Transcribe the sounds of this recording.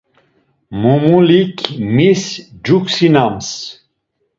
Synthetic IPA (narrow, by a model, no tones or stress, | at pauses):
mumulikʰmisd͡ʒuksinams